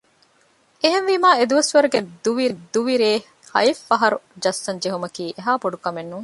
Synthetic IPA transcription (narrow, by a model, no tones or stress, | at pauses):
eɦenʋimaːed̪uʋɐsʋɐɾuɡed̪uʋiɾid̪uʋiɾeː | hɐ̰jifːɐɦɐɾud͡ʒɐsːɐnd͡ʒeɦumɐkiːʔeɦaːboɖukɐmenːuŋ